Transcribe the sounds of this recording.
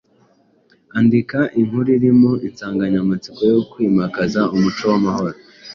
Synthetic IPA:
andikaʔiŋ̥huɾiɾimoinsaːŋɡaɲamat͡sikojokwiːmakazaumut͡ʃo̞wamaho̞ɾo

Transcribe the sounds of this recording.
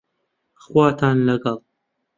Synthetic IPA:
χwɑːt̪ʰaːnlɐɡɐlˠ

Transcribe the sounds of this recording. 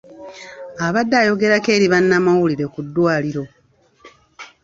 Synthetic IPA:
aβadːaːjo̞ɡe̞ɾake̞ːɾiβanːamawuliɾe̞kudːwaːliɾo̞

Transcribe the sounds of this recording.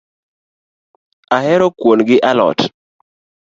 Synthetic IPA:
aɦɛɾɔkwonɡɪʔalɔ̰t

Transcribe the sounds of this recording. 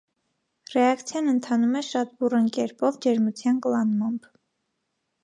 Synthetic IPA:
rɛɑkt͡sʰjɑnənt̪ʰɑnumɛʃɑt̪̚burəŋkɛɾpɔvd͡ʒɛɾmut͡sʰjɑnkəlɑnmɑmb

